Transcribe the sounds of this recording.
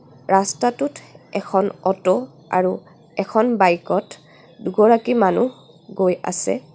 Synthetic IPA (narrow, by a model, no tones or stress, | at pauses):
ɹastatutɛkʰɔnɔtɔ | a̰ɹu | ɛkʰɔnbajkɔt | duɡɔɹakimanu | ɡoja̰sɛ̰